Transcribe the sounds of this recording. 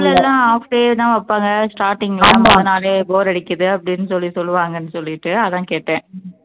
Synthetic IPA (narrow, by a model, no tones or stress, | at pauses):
lːɛlːãːaːfɖeːt̪ãːʋɐpːaːŋɡɐsʈaːɾʈːɪŋɡɐlãːmɐðɐnaːleːboːɾɐɽɪkːɐðɯɐpːɐɽɪnːɯsɔlːisɔlːɯʋaːŋɡɐnːɯsɔlːɪɪʈːɯɐðãːkeːʈːẽː